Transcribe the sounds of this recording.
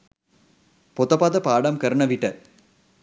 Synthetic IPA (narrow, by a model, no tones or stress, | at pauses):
pot̪ɐpaːd̪ɐpaːɖɐmkɐɾɐɳɐʋiʈːɐ